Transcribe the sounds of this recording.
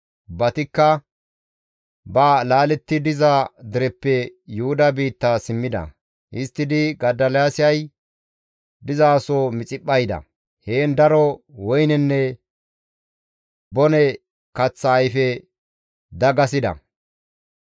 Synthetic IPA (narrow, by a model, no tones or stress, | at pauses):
bɐt̪ɪkːɐ | balaːlɛt̪ːɪd̪ɪzɐd̪ɪɾɛpːɛjʊhʊd̪ɐbiːt̪ːasɪmːɪd̪ɐ̰ | ʔɪst̪ːɪd̪ɪɡɐd̪ːɐljaːsɪjɐj | d̪ɪzaːsoːmɪt͡sʼɪpːɐjd̪ɐ̰ | heːnd̪ɐɾɔwɔjnɛnːɛ | bɔnɛ | kɐt͡sːɐːjfɛ | d̪ɐɡɐs̬ɪd̪ɐ̰